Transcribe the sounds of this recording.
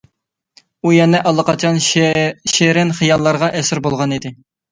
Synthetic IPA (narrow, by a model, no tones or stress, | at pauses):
ujɛnɛʔɑlˠːɑqɑt͡ʃʰɑnʃeɾɪnχijɑlˠːɑɾʁɑʔɛsɪɾbolˠʁɑnid̪ɪ